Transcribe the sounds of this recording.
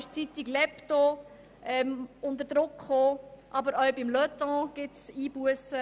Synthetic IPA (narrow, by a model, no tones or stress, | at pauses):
ʃt͡sitɪɡlɛpt̪o | ʔɛmʊntəɾd̥ɾʊkχoːʔɑbəɾœwbɪmlœt̪ɔ̃ɡ̥ɪtsiːb̥uəsə